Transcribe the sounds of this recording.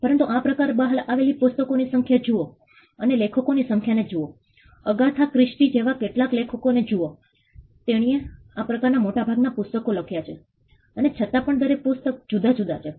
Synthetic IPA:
pəɾənt̪uʔapɾəkaɾbaɦəlaʋelipʊst̪əkonisəŋkʰjad͡ʒuo | ənelekʰəkonisəŋkʰjaned͡ʒuo | əɡat̪ʰakɾɪʃʈid͡ʒeʋakeʈlaklekʰəkoned͡ʒuo | t̪eɽ̃ie | apɾəkaɾnamoʈabʱaɡnapʊst̪əkoləkʰjat͡ʃʰe | ənet͡ʃʰət̪apəɳd̪ʱəɾepʊst̪ək̚d͡ʒud̪ʱad͡ʒud̪ʱat͡ʃʰe

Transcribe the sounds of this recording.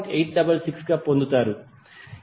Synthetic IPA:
ʈejʈ̚ɖɐbɐlsiksɡaːpond̪ut̪aːɾu

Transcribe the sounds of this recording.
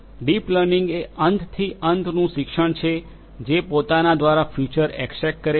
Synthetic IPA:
ɖipləɾniŋɡeənd̪t̪ʰiʔənd̪nũʃɪkʃəɳ̃t͡ʃʰe | d͡ʒepot̪anad̪ʋaɾafjut͡ʃəɾɛksɛk̚kəɾe

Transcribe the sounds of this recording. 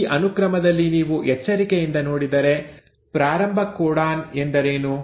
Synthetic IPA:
ʔɐnukɾɐmɐd̪ɐlːiniːʋuʔɛt͡ʃːɐɾikejind̪ɐnoːɽid̪ɐɾe̞ | pɾaːɾɐmbʱɐkːuːɽaːnend̪ɐɾeːnu

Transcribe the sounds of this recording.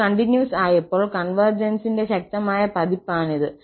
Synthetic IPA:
ɐɳʈinjuːsaːjɐpːo̞ːɭkɐnʋɐrd͡ʑɐnsinde̞ɕɐk̚t̪ɐmaːjɐpɐðipːaːɳiðɨ

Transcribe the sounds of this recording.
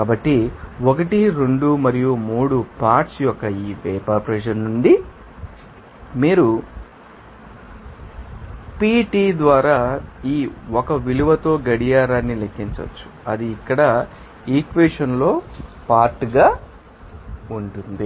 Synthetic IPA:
kaːbɐʈːiɔkɐʈiɾe̞ɳɖumɐɾijumuːɽupaːʈsjɔkːɐiːʋɛːpaːpɾɛd͡ʒɐnnuɳɖi | miːɾu | piːʈiːd̪ʋaːɾaːiːɔkɐʋiluʋɐt̪o̞ːɡɐɽijaːɾaːnːilekʰːiɲt͡ʃɐ̰t͡ʃːu̥ | ɐ̰d̪iːkːɐɽɐ | iːkʋeːʂɐnlo̞ːpaːɾʈɡaː | uɳʈund̪i

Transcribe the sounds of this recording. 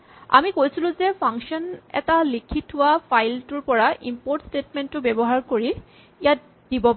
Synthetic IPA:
a̰mikojsilʊ̃zɛpʰaŋkʃɔnɛ̰talikʰitʰːʊwapʰajltuɹpɔɹaʔimpoɹtstetmɛntːʊbɛbɔɦaɹkoɹi | ijat̚ | dibɔp

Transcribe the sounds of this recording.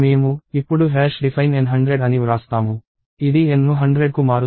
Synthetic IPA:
meːmuipːuɽuɦɛːʂɖipʰɐjnenɦɐɳɖɾeɖɐniɾaːst̪aːmu | id̪iennuɦɐɳɖɾeɖkumaːɾu

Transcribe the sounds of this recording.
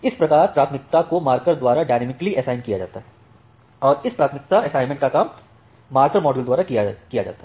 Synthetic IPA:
ɪspɾɐkaːɾpɾaːt̪ʰmɪk̚t̪akomaːɾkəɾd̪waːɾaɖaːnemɪkəliʔɐsaːɪnkijad͡ʒa̰ːt̪aɦɛ | ɔːɾɪspɾaːt̪ʰmɪk̚t̪aɛsaːɪnmẽɳʈkakaːmː | aːɾkəɾmɔːɖəld̪waːɾaakijad͡ʒa̰ːt̪aɦ

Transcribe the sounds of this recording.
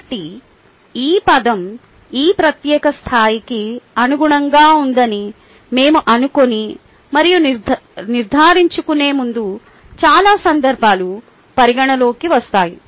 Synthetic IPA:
ʈːi | iːpɐd̪ɐm | iːpɾɐt̪jɛːkɐst̪ʰaːjikiɐnuɡuɳɐŋɡaːund̪ɐni | me̞ːmuʔɐnuko̞ni | mɐɾijuniɾd̪ʱaːɾiɲt͡ʃukune̞ːmund̪u | t͡ʃaːlaːsɐnd̪ɐɾbʱaːlu | pɐɾiɡɐɳɐlo̞ːkiʋɐst̪aːji

